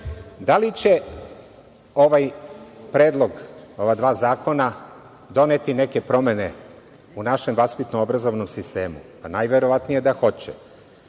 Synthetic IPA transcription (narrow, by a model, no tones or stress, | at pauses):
d̪alit͡ɕe̞ | o̞ʋajpɾeːd̪lˠo̞ɡo̞ʋad̪ʋaːzaːko̞na | d̪o̞net̪ine̞ke̞pɾo̞mene | unaʃe̞mʋaspit̪noobɾazo̞ʋno̞msist̪e̞ːmu | anajʋe̞ɾo̞ʋat̪nije̞d̪axo̞t͡ɕḛ